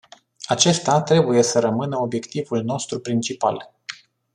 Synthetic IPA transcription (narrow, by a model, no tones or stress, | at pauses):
at͡ʃe̞st̪at̪ɾe̞buje̞səɾəmɨnəo̞bje̞kt̪ivulno̞st̪ɾupɾint͡ʃipa̰l